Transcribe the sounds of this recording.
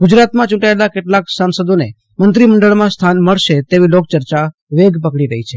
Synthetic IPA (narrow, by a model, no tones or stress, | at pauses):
ɡud͡ʒɾat̪mãt͡ʃũʈaelakeʈlaksansəd̪one | mənt̪ɾiməɳɖəɭmãst̪ʰanməɭʃet̪eʋilok̚t͡ʃəɾt͡ʃa | ʋeɡp̬əkɽiɾəɦit͡ʃʰe